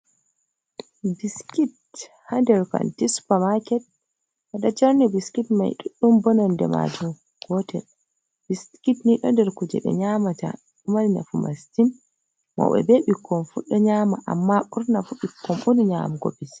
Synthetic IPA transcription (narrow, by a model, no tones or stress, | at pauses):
biskit | handɛɾka̰ntispamakɛt̚ | haɗad͡ʒaɾnibiskitma̰jɗuɗːumbɔnɔndɛma̰d͡ʒum | ɡ̥ɔtɛ̰l | biskitniɗɔndɛɾkud͡ʒɛɓɛ̰ɲamata̰ | umanina̰fuma̰stin | mɔ̰wɛ̰beɓikʰːɔfuɗɔɲaːmaʔa̰mːaʔuɾnafuɓikːɔmʔuniɲa̰muɡɔ̰bis